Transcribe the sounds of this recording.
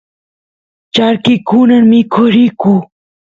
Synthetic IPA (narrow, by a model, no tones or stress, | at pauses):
t͡ɕaːɾkikuːnɐnmiːkʰoɾiːkuː